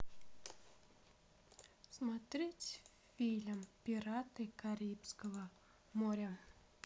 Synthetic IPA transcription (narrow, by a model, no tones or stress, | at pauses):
smat̪ɾʲetʲ | fʲilʲɐmpʲiɾat̪ɨkaɾʲipsʲkəvə | moɾʲɐ